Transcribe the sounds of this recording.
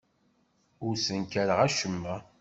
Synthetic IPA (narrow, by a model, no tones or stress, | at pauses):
ʊɾsənkæɾəʁæʃəmːæ